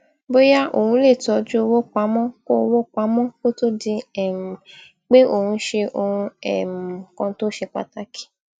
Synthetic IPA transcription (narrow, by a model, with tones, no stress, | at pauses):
bo˦ja˦ʔo̰˨hũ˧˦le˦˨tɔ˨˦d͡ʒu˦o˧wo˦k͡pa˨˦mɔ̃˦ko˦o˧wo˦k͡pa˨˦mɔ̃˦ko˦to˦di˧ɛ˨m˨ | k͡pe˦ʔo˨hũ˧˦ʃe˧ʔo˨hũ˧ɛ̰˨m˨kɔ̃˧˦to˦ʃe˧k͡pa̰˧ta˨˦ki̥˨˦